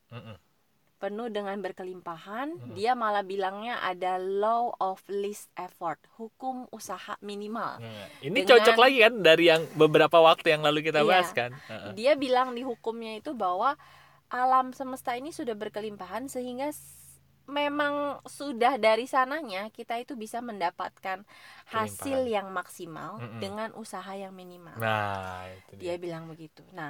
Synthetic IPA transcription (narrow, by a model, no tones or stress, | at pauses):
m̩ | pənuhdəŋanbərkəlimpahandiamalabilaŋɲaʔa̰daloɔflɪst̪̚ʔefɔrt̪̚hukʊmusaha̰minima̰liniəŋt͡ʃɔt͡ʃɔklaɡikandaɾijaŋbəbəɾapawak̚t̪ujaŋlaluk̬it̪abaɦaskandiabilaŋdiɦukʊmɲait̪ubaɦwa | ʔalamsəməst̪ainisudahbərkəlimpaɦansəɦiŋɡa | memaŋsudahdaɾisanaɲakit̪ait̪ubisaməndapat̪̚kanhasɪljaŋmaksima̰ldəŋanʔusaɦajaŋminima̰a | diabilaŋbəɡit̪una